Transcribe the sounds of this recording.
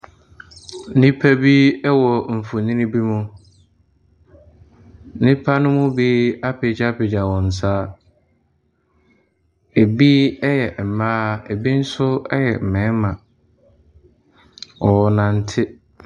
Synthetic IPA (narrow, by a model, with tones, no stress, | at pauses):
nĩ˦pʰæ˦bi˦ɛ˦wɔ˨m̩˨fʊ˨nĩ˦ĩ˦bi˦mʊ̃˦ | nɪ̃˦pʰa˦nʊ̃˦mʊ̃˦biː˦a˦pɪ˨d͡ʑa˦pɪ˨d͡ʑa˨wɔ̃˨n̩˨s̬aː˦ | e˨bi˦ɛ˦jɛ˨m̩˨mãː˦e˨bi˦n̩˦sʊ˦ɛ˦jɛ˨m̩˨mɛ̃˨˦mã˨ | ɔ˨nã˨n̩˦tʰɪ˦